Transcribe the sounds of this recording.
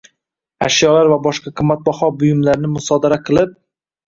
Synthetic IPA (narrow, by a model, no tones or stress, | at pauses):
aʃjɒlaɾvabɒʃqɑqʰɨmːat̪̚bahɒbʊjʊmlaɾnɪmʊsɒd̪aɾaqʰɨlˠɪp̚